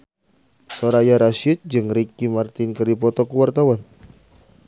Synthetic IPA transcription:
sɔɾajaɾaʃit̪̚d͡ʒɨŋɾikimart̪ɪnkɨrdipɔt̪ɔkuwart̪awan

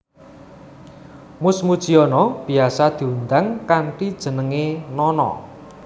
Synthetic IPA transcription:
mʊsmud̥ʒ̥iɔnɔb̥i̤asad̪̥i̤und̪aŋkaɳʈid̥ʒ̥ə̤nəŋenɔnɔ̰

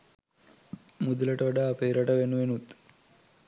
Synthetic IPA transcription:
mud̪ulɐʈəʋɐɖaːpeːɾɐʈɐʋenuʋenut̪

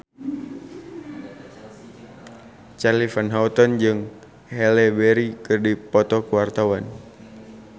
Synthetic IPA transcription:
t͡ʃalifanɦaɔt̪ɔnd͡ʒɨŋ | hɛlɛbɛɾikɨrdipɔt̪ɔkuwart̪awan

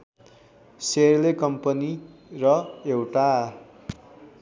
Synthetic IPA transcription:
serlekʌmpʌnirʌewʈa

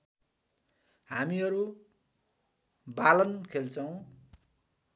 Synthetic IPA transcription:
hamiʌɾu | balʌnkʰelt͡sʌw̃

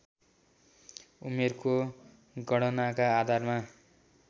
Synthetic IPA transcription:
umerko | ɡʌɽʌnakaːd̪ʱarma

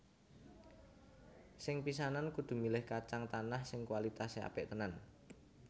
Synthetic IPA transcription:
sɪŋpis̬anankud̪̥ṳmilɪhkat͡ʃaŋt̪anahsɪŋkwalit̪asea̰pɪʔt̪ənan

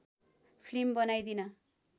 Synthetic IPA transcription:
pʰlimbʌnajd̪inʌ

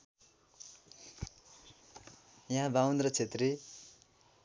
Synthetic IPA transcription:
jãɦbawnd̪rʌt͡sʰet̪ri

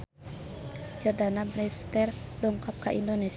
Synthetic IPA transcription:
d͡ʒərdanabɾɛst̪ɛrdɔŋkap̚kaʔindones

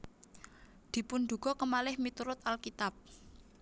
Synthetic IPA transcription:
d̪̥i̤punɖ̪ṳɡ̥ɔ̤kəmalɪhmit̪uɾʊt̪̚alkit̪ap̚

